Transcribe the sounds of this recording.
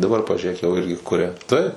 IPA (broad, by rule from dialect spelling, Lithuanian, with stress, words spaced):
dɐˈbɐr pɐʒʲʊˈrʲeːk jɛʊ ˈɪrʲɡʲɪ ˈkʊrʲɛ tɐɪp